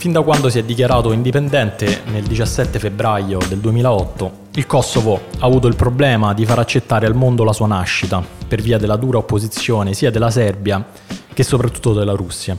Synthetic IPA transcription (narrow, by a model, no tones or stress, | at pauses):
find̪akwand̪osiɛd̪ːik̬jaɾaːt̪oind̪ipend̪ɛnt̪eneld̪it͡ʃasːɛt̪ːefebɾajod̪eld̪uemiːlaɔt̪ːo | ilkɔsːovoaːvuːt̪oilpɾoblɛːmad̪ifaɾat͡ʃːet̪ːaːɾealmond̪olasuːanaʃːit̪aperviːad̪elːad̪uːɾaopːozit̪sːjoːnesiːad̪elːasɛrbja | k̟esːopɾat̪ːu̥t̪ːod̪elːaɾusːja